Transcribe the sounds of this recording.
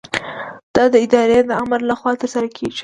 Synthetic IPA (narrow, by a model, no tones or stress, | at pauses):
d̪̥ɑd̪əɪd̪ɑɾed̪əamɾlaxwɑt̪əɾsaɾakʰeʒ